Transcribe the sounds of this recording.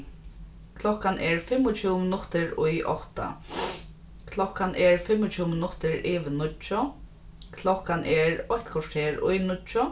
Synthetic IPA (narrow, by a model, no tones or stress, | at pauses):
kʰlɔkːanʔɛɹfɪmːʊt͡ʃʰuːwmɪnʊt̪ɪɹʊjʔɔ̰ht̪a̰ | kʰlɔkanʔɛɹfɪmːʊt͡ʃʰuːmɪnʊt̪ɪɹɪːʋɪnʊt͡ʃːʊ | kʰlɔhkːanʔɛɹɔçt̪kʰɔʂʈʰeːɹʊ̰jnʊt͡ʃːʊ